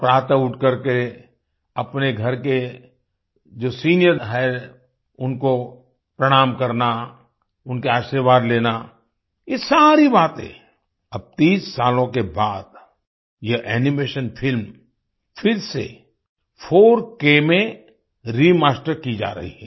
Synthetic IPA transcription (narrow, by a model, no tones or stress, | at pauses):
pɾaːt̪aʊʈʰkɐɾke | ɐpneɡʱɐɾke | d͡ʒoːsiːnijəɾɦɛ | ʊnko | pɾɐɽ̃aːmkɐɾna | ʊnkeaːʃəɾʋaːd̪leːna | jesaːɾibaːt̪ɦḛ̃ː | ɐb̚t̪iːsːaːlõkebaːd̪ | jeʔɛːnɪmeːʃənfʰɪlm | fʰɪɾsḛ | fʰoːɾkeːmẽ | ɾimaːsʈəɾkid͡ʒa̰ːɾɐ̰ɦḭɦɛː